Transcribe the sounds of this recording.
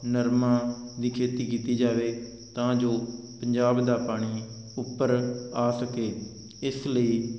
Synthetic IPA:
nəɾmãːd̪iːkʰeːt̪iːkiːt̪iːd͡ʒaːʋeː | t̪ãːd͡ʒoː | pəɲd͡ʒaːbd̪aːpaːɽ̃iː | ʊpːəɾaːsəkeː | ɪsləiː

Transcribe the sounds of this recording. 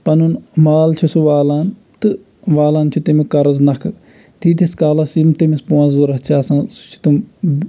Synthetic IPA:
pɐnunmaːlt͡ʃʰusuʋaːlaːn | t̪ɨ | ʋaːlaːnt͡ʃʰut̪emikɐɾɐznɐkʰɨ | t̪ʰiːt̪iskaːlasimt̪emisponzuɾɐɦt͡ʃʰaːsãːsu̥t͡ʃʰu̥t̪um

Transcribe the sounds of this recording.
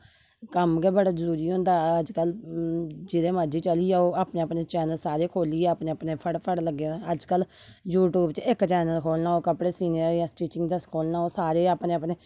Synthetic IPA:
kəmɡɛːbəɽaːzəɾuːɾiːɦʊ̃nd̪aːəd͡ʒkəl | d͡ʒɪd̪eːmãːd͡ʒiːt͡ʃəliːɛːoːaːpneːəpneːt͡ʃɛːnəlsaːɾeːkʰoːliːɛːəpneːəpneːpʰəɽpʰəɽləɡeəd͡ʒkəl | juːʈjuːbt͡ʃɪkt͡ʃɛːnəlkʰoːlnaːoːkəpɽeːsiːniəɾjãːsʈiːt͡ʃɪŋɡd̪əskʰoːlnaːoːsaːɾeːaːpneːəpneː

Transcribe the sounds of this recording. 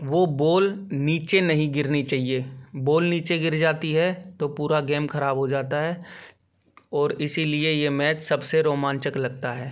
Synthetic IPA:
ʋoːboːlniːt͡ʃenɐɦĩɡɪɾnit͡ʃaːɦieboːlniːt͡ʃeɡɪɾd͡ʒaːt̪iɦɛt̪opuːɾaɡeːmkʰɐɾaːbɦod͡ʒaːt̪aɦɛː | ɔːɾɪsiliejemɛːt͡ʃsɐbseɾoːmãːnt͡ʃɪklɐɡ̚t̪aɦɛː

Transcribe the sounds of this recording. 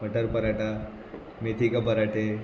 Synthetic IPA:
əʈəɾpəɾaʈa | met̪ʰikabəɾaʈe

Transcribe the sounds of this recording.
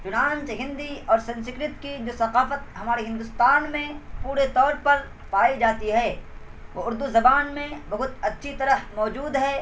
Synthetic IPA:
t͡ʃʊnãːnt͡ʃɦɪ̃nd̪iɔːɾsɐ̃nsɪkɾɪt̪kid͡ʒoːsɐqaːfət̪̚ɦɐmaːɾeɦɪ̃nd̪ʊst̪aːnmẽpuːɾet̪ɔːɾpɐɾ | paːid͡ʒaːt̪iɦɛːʋoːʊɾd̪uzɐbaːnmẽbɐɦʊt̪ɐtːʃʰit̪ɐɾəhmɔːd͡ʒuːd̪ɦɛː

